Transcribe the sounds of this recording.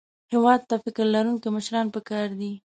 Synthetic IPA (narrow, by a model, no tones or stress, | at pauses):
hɪwɑd̪̚t̪afɪkɪɾlaɾuŋkiməʃɾɑnpəkɑɾd̪i